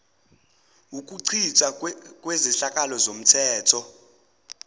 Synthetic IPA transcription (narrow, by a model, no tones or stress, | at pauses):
uk̬ʼuǀʰit͡ʃʼakʼweziɬakʼalɔzom̩tʰɛːtʰɔ